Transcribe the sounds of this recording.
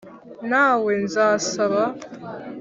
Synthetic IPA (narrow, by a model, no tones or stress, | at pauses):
naːwenzaːsaβa